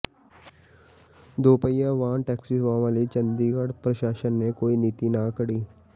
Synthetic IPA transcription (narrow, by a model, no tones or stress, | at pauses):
d̪oːpəjaʋãːnʈɛːksisʋãːʋãlit͡ʃə̃nd̪iɡəɽpɾɐʃaːʃənːekoːiniːt̪inakəɽiː